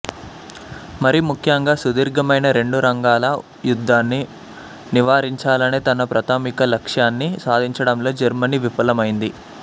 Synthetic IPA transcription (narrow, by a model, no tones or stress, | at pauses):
mɐɾimukʰjɐŋɡaːsud̪iːɾɡɐmɐjnɐɾe̞ɳɖuɾɐŋɡaːlɐ | jud̪ʱːaːnːi | niʋaːɾiɲt͡ʃaːlɐneːt̪ɐnɐpɾɐt̪aːmikɐlɐkʂjaːnːisaːd̪ʱiɲt͡ʃɐɽɐmlo̞ːd͡ʒɐɾmɐniʋipɐlɐmɐjind̪i